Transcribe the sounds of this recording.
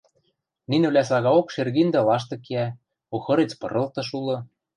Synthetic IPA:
ninɘ̆βlʲæsɑɣɑokʃerɣind̪ɘ̆lɑʃ̬t̪ɤ̆kiæ | oxɤ̆ɾet͡spɤ̰̆ɾɤ̆lt̪ɤ̆ʃ̬ulɤ̆

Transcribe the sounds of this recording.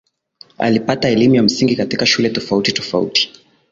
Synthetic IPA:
a̰lipataɛlimujam̩siŋɡikatikaʃulɛtɔfautitɔ̥faṵti̥

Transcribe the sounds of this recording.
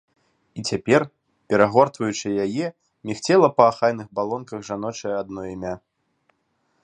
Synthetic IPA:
it͡sʲapʲɛr | pʲɛɾaɣɔrt̪vɐjut͡ʂɨjajɛ | mʲixt͡sʲɛlˠɐpɐːxajn̪ɨɣbalˠɔnkɐɣʐan̪ɔt͡ʂɐjɛad̪̚nɔimʲa

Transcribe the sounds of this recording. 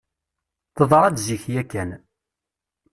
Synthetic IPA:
θəðˤɾˤɑd̪ziçjækːæn

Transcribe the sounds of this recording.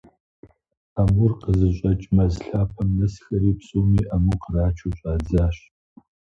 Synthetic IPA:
amurqəzɨɕʼɐt͡ʃʼmɐzɬaːpʰɐmnɐsxɐɾiːpsʼoːmiːʔamuqəraːt͡ʃʰuɕʼaːd͡zaːɕ

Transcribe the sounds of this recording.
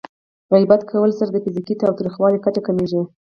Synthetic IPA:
ɣajbat̪kʰawəlsaɾad̪əfɪzikit̪ɑwt̪ɾixwɑlikat͡ʃakameʒi

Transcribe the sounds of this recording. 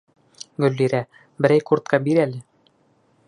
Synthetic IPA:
ɡɵ̆lːiɾæ | bɘ̆ɾæjkuɾt̪kɑbiɾælɘ

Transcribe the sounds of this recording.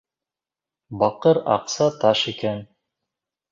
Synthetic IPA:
bɑqɤɾɑ̰qsɑt̪ɑʃikæn

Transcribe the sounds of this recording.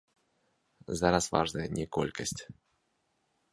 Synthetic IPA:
zaɾasva̰ʐnɐjənʲɛkɔ̰lʲkɐsʲtʲ

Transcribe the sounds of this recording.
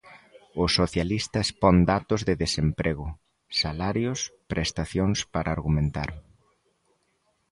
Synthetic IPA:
ʊsoθjalist̪ɐespɔnd̪at̪ʊzðɪðesempɾʔeɣʊ | salaɾjʊspɾʔest̪aθjoŋspaɾaːɾɣumẽnt̪aɾ

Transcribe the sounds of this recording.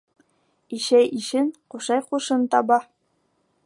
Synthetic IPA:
iʃæjiʃɘnquʃɑjquʃɤnt̪ɑbɑ

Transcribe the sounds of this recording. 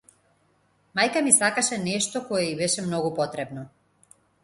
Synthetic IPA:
majkamisakaʃɛnɛʃt̪ɔkɔjɛibɛʃɛmnɔɡupɔt̪ɾɛbnɔ

